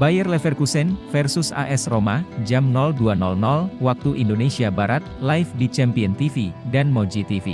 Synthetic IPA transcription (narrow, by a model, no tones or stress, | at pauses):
bajərlɛfɛrkusɛnfɛrsʊsa̰ʔɛsromad͡ʒamnɔlduanɔlnɔlwak̚t̪uʔindonesiabaɾat̪̚lajfdit͡ʃɛmpiənt̪ifidanmɔd͡ʒit̪ifḭ